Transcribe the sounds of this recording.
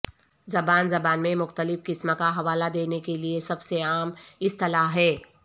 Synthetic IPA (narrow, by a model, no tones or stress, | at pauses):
zɐbaːnzɐbaːnmẽmʊxt̪əlɪfkɪsmakaɦɐʋaːlad̪eːnekeliesɐbseaːmɪst̪ɐlaːɦɛː